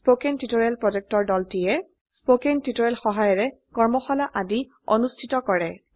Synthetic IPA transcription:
spokentutoɹɛlpɹɔd͡ʒɛk̚tɔɹdɔltijɛ | spokentitoɹɛlxɔɦajɔɹɛkɔɹmɔxɔlaʔadi | ɔ̰nustʰitɔkɔɹɛ

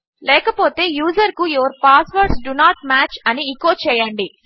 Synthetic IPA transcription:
lɛːkɐpo̞ːt̪e̞ːjuːzɐɾkujoʋɐɾpaːsʋɐɾɖsɖunaːʈ̚maːt͡ʃɐniːkoːt͡ʃɛːjɐɳɖi

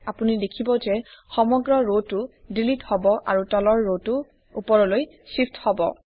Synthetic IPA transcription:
apunidekʰibɔzɛxɔmɔɡɹɔɹotːʊdilithɔbɔʔa̰ɹutɔlɔɹːotʊ | upɔɹɔloj | sipthɔbɔ̰

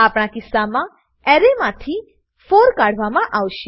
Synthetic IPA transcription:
apɳ̃akɪsːamã | ɛɾemãt̪ʰi | fʰoɾkaɽ̤ʱʋamãʔawʃ

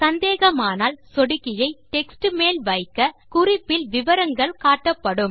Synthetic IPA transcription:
sɐnd̪eːɣɐmaːnaːlsɔɽɪkːɪjɐɪʈɛksʈɯmeːlʋɐɪkːɐkʊrɪpːɪlʋɪʋɐɾɐŋɡɐɭkaːʈːɐpːɐɽɯm

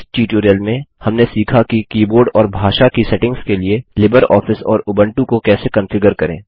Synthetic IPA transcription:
sʈiːʈuːɾijəlmẽhɐmnesiːkʰakikiːboːɾɖɔːɾbʱaːʃakisɛʈɪ̃ŋɡskelielɪbəɾɔ̰ːfɪsɔ̰ːɾʊbə̃ɳʈũkokɛːsekɐ̃nfɪɡəɾkɐɾḛ̃ː

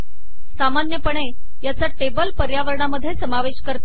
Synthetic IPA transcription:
samanjəpəɳe | jat͡saʈebəlpəɾjaʋəɾɳaməd̪ʱːjesəmaʋeɕkəɾt̪o

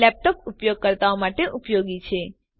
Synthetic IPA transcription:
ɛp̚ʈɔpupjoɡ̚kəɾt̪aomaʈeʔupjoɡit͡ʃʰe

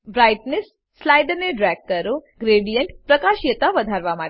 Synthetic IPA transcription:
bɾaːjʈnesː | laːjd̪əneɖɾɛɡ̚kəɾoɡɾeːɖijəɳʈpɾɐkaːʃjət̪aʋɐd̪ʱaɾʋamaː

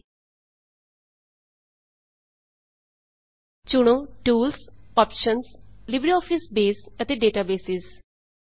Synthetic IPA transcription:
t͡ʃʊɽ̃õːʈuːlsɔːpʃənslɪbɾiɔːpʰɪsbeːsət̪eːɖeːʈaːbeːsɪz

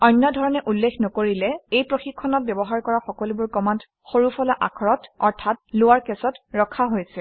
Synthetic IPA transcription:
ɔjnːɔdʱɔɹɔnɛʔulːekʰnokoɹilɛejpɹoxikʰːɔnɔt̚bjɔbɔɦaɹkɔɹaxɔkɔlubʊɹkɔmant | xoɹufɔlaʔa̰kʰɔɹɔtɔɹtʰat̚lʊwaɹkɛsɔtɹɔkʰaɦojsɛ

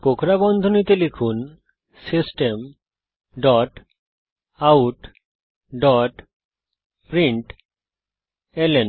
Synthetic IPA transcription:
kokʰɾabɔnd̪ʱonit̪elikʰun | sisʈem | ɖɔʈ | awuʈ | ɖɔʈ | pɾiɳʈ | elen

